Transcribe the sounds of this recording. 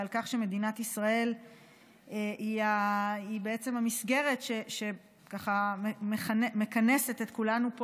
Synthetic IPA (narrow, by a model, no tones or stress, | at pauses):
alkaχʃe̞me̞d̪inat̪isʁae̞l | eiaibe̞et͡se̞mhamisɡe̞ʁe̞tʃeʃe̞ | kaχammeχanme̞kane̞set̪et̪kulanup